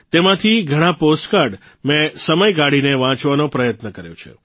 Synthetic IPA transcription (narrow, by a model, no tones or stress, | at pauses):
t̪emãt̪ʰiɡʱəɽ̃ãposʈkaɾɖ | mɛ̃səməjɡaɽineʋãt͡ʃʋanõpɾəjət̪nəkəɾjõ̰t͡ʃʰḛ